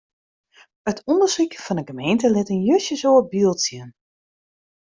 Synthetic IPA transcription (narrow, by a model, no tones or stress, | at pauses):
ətʰɔndəsikfɔnəɡəmejntəlɪtənjøsjəsoəbiːlˠsjən